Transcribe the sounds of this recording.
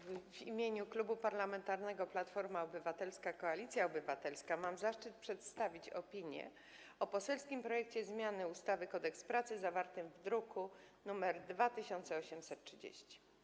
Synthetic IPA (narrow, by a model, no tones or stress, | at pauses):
vimʲjeɲuklubupaɾlamɛnt̪aɾnɛɡɔplat̪fɔɾmaɔbɘvat̪ɛlskakɔalʲit̪sʲjaɔbɘvat̪ɛlskamamzaʂt͡ʂɘt̪̚pʂɛt̪st̪avʲit͡ɕɔ̰pʲiɲjɛ̰ | ɔpɔsɛlskʲimpɾɔjɛk̚t͡ɕɛzmʲjanɘust̪avɘkɔd̪ɛkspɾat̪sɘzavaɾt̪ɘmvd̪ɾukunumɛɾd̪vat̪ɘɕɔnt̪sɛɔɕɛmsɛt̪tːʂɘd͡ʑḛɕt͡ɕi̥